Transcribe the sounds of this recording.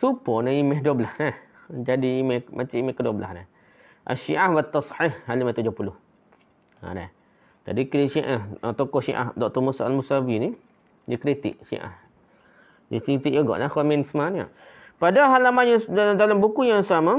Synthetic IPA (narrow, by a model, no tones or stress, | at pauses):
supɔnaimɛɦdoblahnah | d͡ʒadiimɛhmat͡ʃiʔimɛhkədobla̰hnah | ʔa̰ʃiʔahwat̪ːɑsħihhalimat̪ud͡ʒʊhpulʊh | a̰da̰h | t̪a̰dikɾiʔʃiʔaht̪ɔkɔhʃḭʔa̰hdɔʔ̚t̪ɔmusaʔalmusawini | jəkɾit̪ḭʔʃḭʔa̰h | dḭskit̪iʔjoɡɔ̰ʔlahkaminsmana̰ʔ | padaɦalamajadalambukujasama